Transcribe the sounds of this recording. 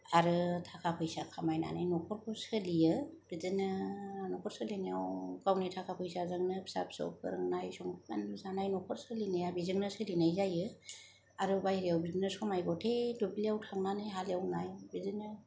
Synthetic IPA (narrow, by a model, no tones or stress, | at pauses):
aɾɯtʰakʰapʰɯjsakʰamajna̰najnɔkʰɔɾkʰɔsɯlijɯb̥izɯnɯnɔkʰɔɾsɯlenijawɡawnitʰakʰapʰɯjsazɯŋnɯbʰi̥sa̰p̚sɔ̰p̚ʰɯ̰ɾɯŋnajsɔŋʰa̰nuzanajnɔkʰɔɾsɯlinajabizɯŋnɯsɯlinajzajɯ | aɾɯbajɾiawbizinɯskʰɔmajɡɔtʰedubliawtʰaŋnanɯjɦaliawnajbizɯnɯ